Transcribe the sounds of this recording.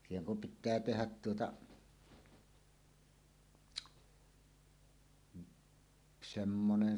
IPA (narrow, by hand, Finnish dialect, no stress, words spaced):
siːheŋ kum pitˑæː tehæt tuotɑ semːonen